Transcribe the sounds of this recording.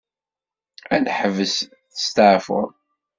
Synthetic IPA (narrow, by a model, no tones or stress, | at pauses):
ænħəvəs | θə̥st̪əʕfʊ̰ɾˤ